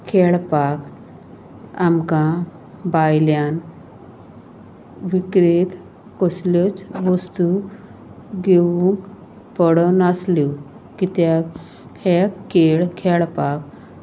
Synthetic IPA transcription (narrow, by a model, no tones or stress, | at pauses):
kʰɛɭpak | amkã | bajljan | ʋikɾet̪ | kɔsljɔt͡sʋɔst̪u | ɡeʋũŋk | pəɽɔnaslu | kit̪ja | hekːeɭkʰeɭpak